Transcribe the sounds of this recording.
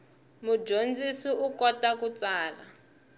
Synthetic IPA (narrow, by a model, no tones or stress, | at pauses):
mud͡ʒond͡zisiʔukɔtakut͡saːla